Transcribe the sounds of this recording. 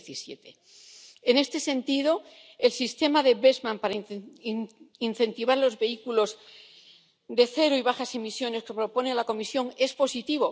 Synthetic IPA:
θisjḛt̪e | ene̞st̪e̞sẽ̞nt̪iðo̞ | e̞lsist̪e̞maðeβezmãmpaɾa | in̟θe̞nt̪iβ̞aɾlo̞zβe̞ikulo̞z | d̪e̞θe̞ɾoiβaxase̞misjo̞ne̞ske̞pɾo̞po̞nealako̞misjo̞ŋe̞spo̞sit̪iβ̞o̞

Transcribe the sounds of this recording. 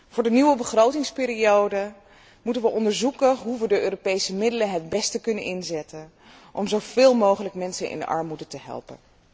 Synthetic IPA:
v̥ʊːɹdəniʋəbəχrowtɪŋspɪːɾiowdə | mutənʋəʔɔndəɹzukəɦuʋədəʔøːropejsəmɪdələɦɛd̚bɛstəkɵnənɪnzɛtən | ʔɔmzowv̥ɪːlˠmowχələkmɛnsənʔɪ̰ndə̰ʔɑ̰ɹmudətəɦɛ̰lˠpə̰n

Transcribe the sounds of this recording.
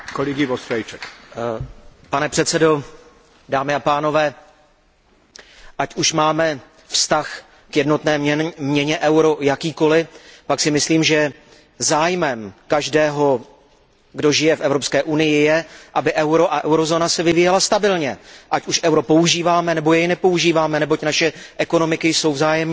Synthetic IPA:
koliɡɪvost̪ɾɛjt͡ʃɛk | panɛpr̝̥ɛt̪sɛdo̞ | daːmɪapaːno̞vɛː | ʔacʔuʃmaːmɛ | fst̪ax | kjɛdno̞t̪nɛːmɲɛɲɛʔɛwɾo̞jakiːko̞lɪpaksɪmɪsliːmʒɛ | zaːjmɛmkaʒdɛːɦo̞ | ɡdo̞ʒɪjɛfʔɛvɾo̞pskɛːʔunɪjɪjɛʔabɪʔɛwɾo̞ʔaʔɛwɾo̞zoːnasɛvɪviːjɛlast̪abɪlɲɛʔacuʃʔɛwɾo̞pouʒiːvaːmɛnɛbo̞jɛjɪnɛpo̞uʒiːvaːmɛnɛbo̞cnaʃɛʔɛko̞no̞mɪkɪjso̞wvzaːjɛmɲɛ

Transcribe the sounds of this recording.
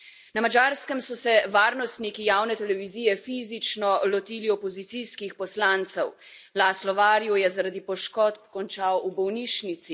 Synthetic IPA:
namad͡ʒaɾskɛmsɔsɛʋaːɾnɔst̪nikijaːwnɛt̪ɛlɛʋiziːjɛfiːzit͡ʃnɔlɔt̪iːliɔpɔzit̪siskixpɔslaːnt̪sɛw | laːslɔʋaːɾjujɛzaɾad̪ipɔʃkɔt̪pkɔnt͡ʃaːwubɔwniːʃnit̪si

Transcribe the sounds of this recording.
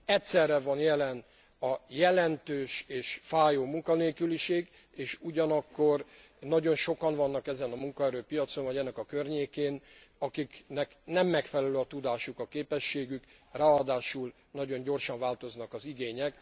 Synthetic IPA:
ɛtsɛrːɛvɒnjɛlɛn | ɒjɛlɛnt̪øːʃeːʃfaːjoːmuŋkɒneːkyliʃeːɡ | eːʃuɟɒnɒkːo̞r | nɒɟo̞nʃo̞kɒɱvɒnːɒkɛzɛnɒmuŋkɒɛɾøːpijɒt̪so̞nvɒɟɛnːɛkɒkørɲeːkeːn | ɒkiknɛknɛmːɛkfɛlɛløːɒt̪ud̪aːʃukɒkeːpɛʃːeːɡykraːɒd̪aːʃul | nɒɟo̞ɲɟo̞rʃɒɱvaːlt̪o̞znɒkɒziɡeːɲɛk

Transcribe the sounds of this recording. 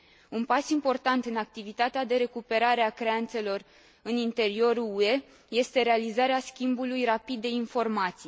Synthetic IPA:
unpasimpo̞rt̪ant̪ɨnak̚t̪ivit̪at̪ead̪e̞ɾe̞kupe̞ɾaɾeakɾe̞ant̪se̞lo̞r | ɨnint̪e̞ɾio̞ɾuue̞ | je̞st̪e̞ɾe̞alizaɾeaskʲimbulujrapid̪ːe̞info̞rmat̪sij

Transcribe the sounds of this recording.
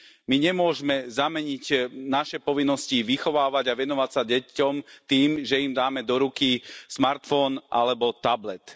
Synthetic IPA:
miɲɛmʊɔʒmɛzamɛɲiɟnaʃɛpɔʋinːɔsciʋixɔʋaːʋaɟaʋɛnɔʋacsaɟɛcɔmt̪iːmʒɛimd̪aːmɛd̪ɔɾukismaɾt̪fɔnʔa̰lɛbɔt̪ablɛt̪

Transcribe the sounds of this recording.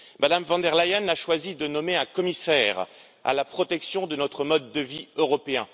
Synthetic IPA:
mad̪amvɑ̃d̪ɛʁlajanaʃwazid̪ənɔmeɛ̃kɔmisɛʁ | a̰lapχɔt̪ɛksjɔ̃d̪ənɔt̪χəmɔd̪ːəviøʁɔpeɛ̃

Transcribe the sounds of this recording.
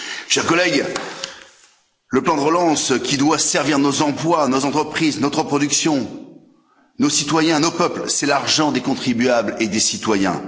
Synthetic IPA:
ʃɛʁkɔlɛɡ | ləplɑ̃d̪əʁəlɑ̃skʲid̪wasɛʁviʁnozɑ̃plwanozɑ̃t̪χəpχiznɔt̪χəpχɔd̪yksjɔ̃ | nosit̪wajɛ̃nopœplsɛlaʁʒɑ̃d̪ekɔ̃t̪χibyabled̪esit̪wajɛ̰̃

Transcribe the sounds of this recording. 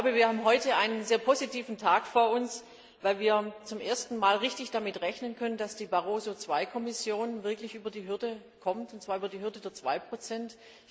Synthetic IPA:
çlaʊbəviːɐhaːbm̩ɦɔʏtəʔaɪnənzeːɐpʰozitʰiːfn̩tʰaːkfoːɐʊns | vaɪlviːɐt͡sʊmʔeːɐstn̩maːlʁɪçtɪçd̥amɪtʁɛçnənkʰœnəndasd̥iːbaʁoːzot͡sv̥aɪkʰɔmɪsjoːnvɪɐklɪçʔyːbɐdiːɦʏɐdə | kʰɔmtʊntt͡sv̥aːyːbɐdiːɦʏɐdədeːɐt͡sv̥a̰ɪpʁ̥ot͡sɛnt

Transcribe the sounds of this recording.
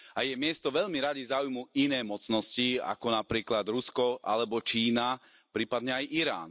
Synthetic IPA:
ajɛmɪɛst̪ɔʋɛʎmiɾaɟizaujmuʔinɛːmɔt͡snɔscia̰kɔnapɾiːklad̪ɾuskɔʔa̰lɛbɔt͡ʃiːna | pɾiːpad̪ɲɛajʔiɾa̰ːn

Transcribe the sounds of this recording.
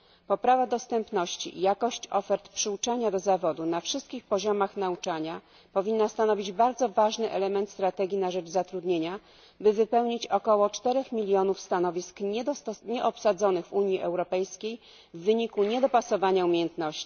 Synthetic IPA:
pɔpɾavad̪ɔst̪ɛmpnɔɕt͡ɕḭʔḭjakɔɕt͡ɕɔfɛɾt̪pʂɘwt͡ʂaɲad̪ɔzavɔd̪unafʂɘst̪kʲixpɔʑɔmaxnaut͡ʂaɲa | pɔvʲinːast̪anɔvʲid͡ʑbaɾd̪zɔvaʐnɘʔɛlɛmɛnt̪st̪ɾat̪ɛɡʲinaʐɛd͡ʐzat̪ɾud̪ɲeɲa | bɘvɘpɛwɲit͡ɕɔkɔwɔt͡ʂt̪ɛɾɛxmʲilʲjɔnufst̪anɔvʲiskɲɛɲɛʔɔpsad̪zɔnɘɣvuɲjiʔɛwɾɔpɛjskʲej | vːɘɲikuɲɛd̪ɔpasɔvaɲaumʲejɛnt̪nɔɕt͡ɕi̥

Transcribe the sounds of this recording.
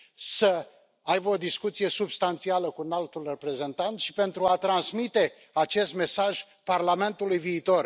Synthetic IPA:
sə | ajbəo̞d̪iskut̪sije̞subst̪ant̪sialəkunalt̪ulre̞pɾe̞ze̞nt̪ant̪ʃi̥pe̞nt̪ɾuat̪ɾansmit̪e̞ | at͡ʃe̞st̪me̞saʒ | parlame̞nt̪ulujviːt̪o̞r

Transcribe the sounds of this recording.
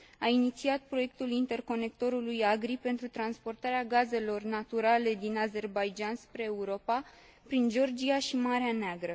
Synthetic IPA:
ainit̪siat̪̚pɾo̞je̞k̚t̪ulint̪e̞rko̞ne̞k̚t̪o̞ɾulujaɡɾipe̞nt̪ɾut̪ɾanspo̞rt̪aɾeaɡaze̞lo̞rnat̪uɾale̞d̪inaze̞rbajd͡ʒanspɾe̞ːuɾo̞pa | pɾind͡ʒo̞rd͡ʒiaʃimaɾeaneaɡɾə

